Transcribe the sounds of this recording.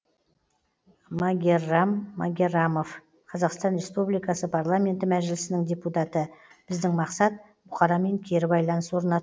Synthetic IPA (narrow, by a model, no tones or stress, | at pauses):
maɡʲe̞ramːaɡʲe̞ramo̞f | qʰɑzɑqst̪ɑnɾʲe̞spublijkɑsəpʰaɾlˠamʲe̞nt̪ɪmæʒɪlɪsɪnɪŋd̪ʲe̞put̪ɑt̪ə | b̥ɪzd̪ɪŋmɑqsɑt̪̚ | bʊχɑɾɑme̞ŋkʲʰe̞ɾɪbɑjlˠɑnəswo̞ɾənɑt̪